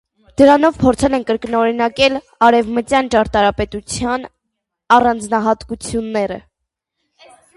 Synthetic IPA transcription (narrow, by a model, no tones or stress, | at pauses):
d̪̥əɾɑn̪ɔvpʰɔɾt͡sʰɛlɛnkəɾknɔɾinɑkɛl | ɑɾɛvmət͡sjɑnt͡ʃɑɾt̪ɑɾɑpɛt̪ut͡sʰjɑn | ɑrɑnd͡znɑɦɑt̪kut͡sʰjunːɛɾə̰